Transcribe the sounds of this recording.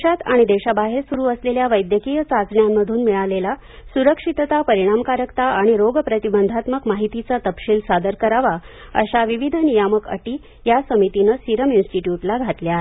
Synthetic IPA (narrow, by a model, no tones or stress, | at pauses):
at̪aɽ̃id̪eɕabaɦeɾsuɾuːəsleljaʋəjd̪jəkijət͡sat͡sɳjamːəd̪ʱuːnmiɭalela | suɾəkʂit̪t̪apəɾiɽ̃amkaɾəkt̪aʔaɽ̃iɾoɡpɾət̪ibənd̪ʱat̪məkmaɦit̪it͡sat̪əpɕiːlsad̪əɾkəɾaʋaə̰ɕaʋiʋid̪ʱənijaməkə̰ʈiː | jasəmit̪inəsiɾəminsʈiʈjuʈlaɡʱat̪lja